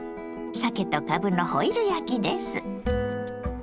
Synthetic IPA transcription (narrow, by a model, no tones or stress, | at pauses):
sake̞t̪okabɯ̟nohoiɾɯ̟jakʲid̪esɨ